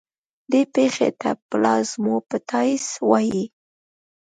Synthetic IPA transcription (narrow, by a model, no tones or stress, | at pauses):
d̪epexḛt̪aplɑzmopət̪ʰɑjswɑji